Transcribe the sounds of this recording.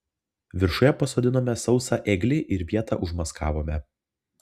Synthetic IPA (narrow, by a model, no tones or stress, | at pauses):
ʋʲɪɾʃʊjɛpɐsoːd̪ʲɪnoːmʲɛsɒʊsɑʔɛːɡlʲɪʔɪɾʋʲiɛt̪ɑ̰ʔʊʒmɐskɑ̰ːʋoːmʲɛ